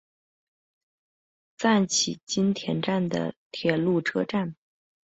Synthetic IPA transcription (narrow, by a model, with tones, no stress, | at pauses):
t͡sa˥˩nt͡ɕʰḭ˨˩t͡ɕi˥nt̪ʰjɛ˧˥nʈ͡ʂa˥˩nd̪ə̰˩t̪ʰjɛ˨˩lu˥˩ʈ͡ʂʰɤ˥ʈ͡ʂa˥˩n